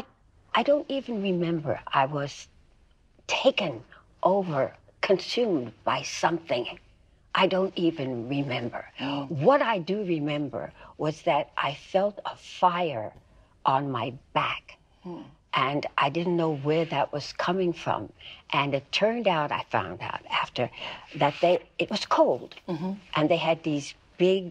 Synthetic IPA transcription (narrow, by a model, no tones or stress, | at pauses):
ʔaɪdõʊ̃ntivɨ̃n̩ɹɨmɛ̃mbə̰˞ʔaɪwʌz̥ | tʰeɪkɨ̃n | ʔoʊvə˞ | kʰɨ̃nsʉ̃mb̥aɪsʌ̃mθɪ̃ŋ | ʔaɪdõʊ̃ntivɨ̃nɹɪmɛ̃mbə̰˞wʌɾaɪdɨɹɪmɛ̃mbə̰˞wʌzðɨɾʔa̰ɪfɛlˠtəfaɪə˞ | ʔə̃nmaɪb̥æk | ʔɨ̃nʔaɪdɪdⁿn̩noʊwə˞ðɨʔ̚wʌz̥kʰʌmɪ̃ŋfɹʌ̰̃mʔɨ̃nɨtʰɜ̃˞ndaʊɾa̰ɪfã̰ʊ̃nda̰ʊɾæftə˞ðɨt̪̚ðeɪɨt̚wʌz̥kʰoʊlˠd̥ʔɨ̃nðeɪɨd̪̚ðiz | b̥ɪɡ̚